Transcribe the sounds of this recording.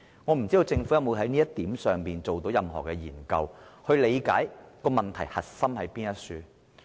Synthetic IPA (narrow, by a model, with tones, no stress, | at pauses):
ŋɔ˨˧m̩˨˩t͡siː˥d̪o˧wt͡sɪ˧ŋfu˨˥jɐ˥mwu˨˧ɦɐ˨˥jniː˥jɐ˥t̚t̪iː˨˥msœː˨ŋpiː˨nt͡so˨wt̪o˨˥wjɐ˨mɦɔ̰ː˨˩kɛ˧jiː˨˩nkɐ˧whɵ˧ɥle˨˧jkaː˨˥jkɔː˧mɐ˨nt̪ʰɐ˨˩jhɐ˨t̚sɐ˥mhɐ˨˥jpiː˥njɐ˥t̚syː˧